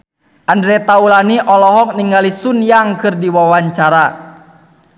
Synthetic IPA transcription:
ʔandɾɛt̪aulaniʔɔlɔɦɔk̚niŋɡalisunjaŋkɨrdiwawaɲt͡ʃaɾa

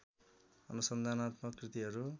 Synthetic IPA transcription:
ʌ̰nusʌnd̪ʱanat̪mʌkrit̪iɦʌɾu

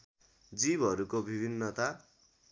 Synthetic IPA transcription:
d͡zibʱʌɾukobʱibʱinːʌt̪a

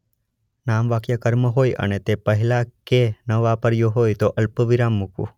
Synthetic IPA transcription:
namʋakjəkəɾməɦojə̰net̪epəɦilakenəʋapəɾjoɦojt̪oʔəlpəʋiɾamːukʋṵ̃

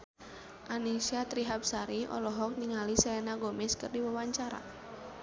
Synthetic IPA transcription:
ʔanisat̪ɾiɦap̚saɾiʔɔ̰lɔɦɔk̚niŋalisɛlɛnaɡɔmɪskərdiwawaɲt͡ʃaɾa̰

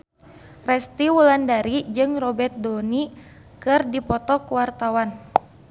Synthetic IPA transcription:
rɛst̪iwulandaɾid͡ʒɨŋrɔbɛrt̪̚doni | kɨrdipɔt̪ɔkuwart̪awan

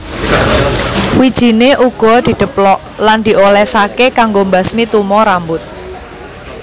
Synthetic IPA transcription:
wid̥ʒ̥i̤neʔuɡ̥ɔ̤d̪̥i̤d̪̥ə̤plɔʔ | land̪̥i̤ʔolɛsakekaŋɡombasmit̪umɔɾambʊt̪̚

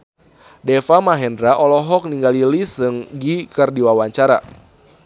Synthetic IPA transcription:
dɛfamaɦɛndɾaʔɔlɔɦɔk̚niŋɡalilisɨŋɡikərdiwawaɲt͡ʃaɾa̰

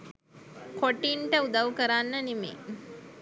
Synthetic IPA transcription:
koʈiːɳʈəud̪ɐʋukəɾanːɐnimḭ

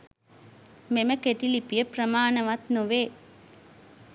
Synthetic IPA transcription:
meməkeʈilipijəpɾəmaːnəʋat̪nuʋeː

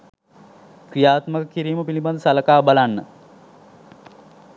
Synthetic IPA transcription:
krijaːt̪məkəkiɾiːməpiliband̪əsaləkaːbalanːə

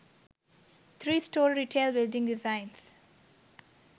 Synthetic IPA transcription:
t̪ʰɾiːsʈoːɾɾiːʈʰeːlbɪlɖɪ̃ŋɖɪzãɪ̃ns

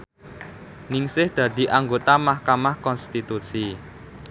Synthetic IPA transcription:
nɪŋsɪhd̪̥ä̤d̪̥i̤ʔaŋɡot̪amahkamahkɔnst̪it̪usi

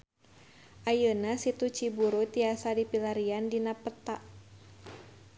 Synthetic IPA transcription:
ʔajənasit̪ut͡ʃibuɾut̪iasadipilaɾiandinapət̪aʔ

